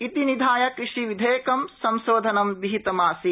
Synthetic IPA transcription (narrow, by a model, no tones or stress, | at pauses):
it̪inid̪ʱaːjɐkɾɪʂiʋid̪ʱeːkɐmsɐmʃoːd̪ʱɐnɐmʋiɦit̪ɐmaːsi